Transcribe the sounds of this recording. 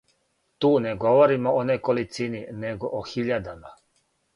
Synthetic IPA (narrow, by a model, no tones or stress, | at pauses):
t̪uːneɡoʋoɾimoonekolit̪sinineɡoʔoxiʎad̪ama